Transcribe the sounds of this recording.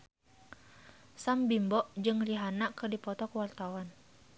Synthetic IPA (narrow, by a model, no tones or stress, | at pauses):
sambimbɔʔd͡ʒɨŋliɦanakɨrdipɔt̪ɔkəwart̪awan